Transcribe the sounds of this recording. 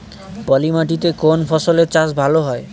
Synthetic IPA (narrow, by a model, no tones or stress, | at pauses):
pɔlimaʈ̬it̪̬ekonpʰɔsoleɾt͡ɕaʃ̬bʱaloɦɔe